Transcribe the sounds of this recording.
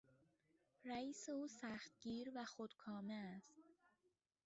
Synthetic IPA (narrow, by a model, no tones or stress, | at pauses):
ɾæiːse̞uːsæxt̪̚ɟiːɾvæxod̪kʰɒːmeæst̪